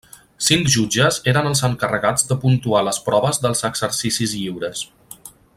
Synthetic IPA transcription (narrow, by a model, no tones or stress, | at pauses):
siŋkʒud͡ʒəzeɾənəlˠzəŋkərəɣad͡zðəpunt̪ualəspɾɔβəzðəlˠzəɡz̥əɾsisizʎiwɾəs